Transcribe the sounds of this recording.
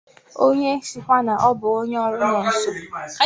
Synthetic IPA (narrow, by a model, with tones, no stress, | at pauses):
o˦ɲe˦si˦kʷa˦na˨ʔɔ˦bʊ˨o˦ɲe˦ɔ˦ɾʊ˦nɔ˨n̩˨so˨